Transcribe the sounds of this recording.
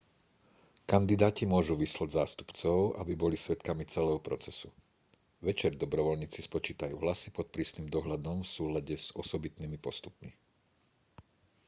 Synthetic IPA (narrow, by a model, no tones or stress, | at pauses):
kand̪id̪aːcimʊɔʒuʋislaɟzaːst̪u̥pt͡sɔʊʔabibɔlisʋɛt̪kamit͡sɛlɛːɦɔpɾɔt͡sɛsu | ʋɛt͡ʃɛɾd̪ɔbɾɔʋɔlɲiːt͡sispɔt͡ʃiːt̪ajṵɦlasipɔt̪̚pɾiːsniːmd̪ɔɦʎad̪ɔmfsuːlaɟɛz̥ɔsɔbit̪nimipɔst̪upmi